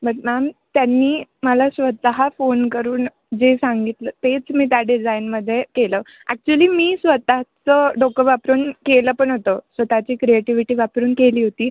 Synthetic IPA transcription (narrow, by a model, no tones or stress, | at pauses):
bəʈ̚mamt̪janːiːməlasʋət̪əɦafonkəɾuːn | d͡zesaŋɡit̪ləːt̪et͡smiːt̪̬jaɖid͡zainməd̪ʱːjekeləː | æk̚t͡ɕuəliːmiːsʋət̪at͡səɖokəʋapɾuːnkeləːpəɳɦot̪əsʋət̪at͡ɕiːkɾieʈiʋiʈiːʋapɾuːnkeliːɦot̪iː